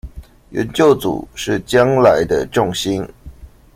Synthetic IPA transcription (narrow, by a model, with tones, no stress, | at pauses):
ɥɛ̰˨˧˦nt͡ɕjo˥˩ʊt͡sṵ˨˩ʂɻ̩˥˩t͡ɕjɑ˦ŋla˧˦ɪd̪ə˧ʈ͡ʂʊ˥˨˩ŋɕi˦˥n